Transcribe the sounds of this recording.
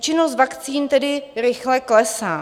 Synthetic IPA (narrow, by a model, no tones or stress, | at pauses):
t͡ʃɪnost̪vakt͡siːnt̪ɛdɪɾɪxlɛklɛsaː